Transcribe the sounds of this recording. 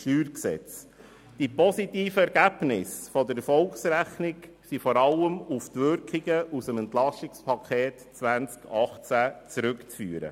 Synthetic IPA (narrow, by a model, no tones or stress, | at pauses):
ʃyːɾksɛ̰t͡s | d̥ipɔsitiːfəɛɾɡ̥æb̥nɪsfɔd̪əɾfɔlksɾæχnɪk | sifɔɾɑləmuft̪ʋʏɾkχiɡəʔusəmɛnt̪lɑsɪikspʰɑkʰχeːtt͡sʋænt͡skʰɑχt͡sæt͡sɾʏkt͡sfyːəɾə̰